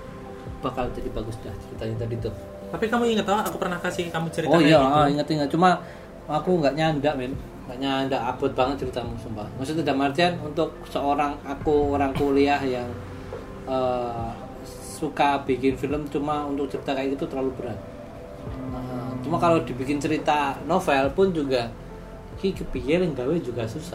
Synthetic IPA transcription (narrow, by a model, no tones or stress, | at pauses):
b̥akald͡ʒadibaɡʊsd̥aht͡ʃəɾit̪aɲat̪̬adit̪u | t̪apikamuiŋət̪oakupərnahkasɪhkamut͡ʃəɾitoaijaʔəiŋət̪iŋɡət̪̚t͡ʃuma | akuŋɡaʔɲandaʔmɪn | ŋɡaʔɲandaʔab̥ʊt̪̚baŋət̪̚t͡ʃəɾit̪amusəmbamas̬ʊt̪idamart̪ianunt̪ʊk̚səoɾaŋakuoɾaŋkuliahjaŋ | ə | sukab̥ikɪnfiləmt͡ʃumaunt̪ʊk̚t͡ʃəɾit̪akajait̪ut̪ərlalubəɾat̪̚ | ət͡ʃumakalawdi̤bikɪnt͡ʃəɾit̪anofɛlpʊnd͡ʒuɡa | kikəpijɛlŋɡawed͡ʒuɡasusa